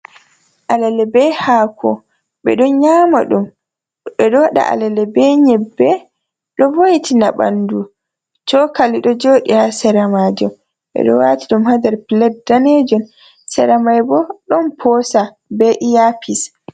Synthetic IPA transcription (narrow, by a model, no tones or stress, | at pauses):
ʔalɛlɛbɛhaːkʰɔ̰ | ɓɛ̰ɗɔnɲaːma̰ɗum | ɓɛɗɔwaɗa̰ʔa̰lɛlɛbɛɲɛbːɛ | ɗɔvojtʰinaɓa̰ndu | t͡ʃɔkaliɗɔd͡ʒoɗihasɛɾamad͡ʒɔm | ɓɛ̰ɗɔ̰watiɗumhad̪ɛɾpilɛt̚danɛd͡ʒɔn | sɛɾamajbɔɗɔnpʰɔsa | bɛʔijapʰis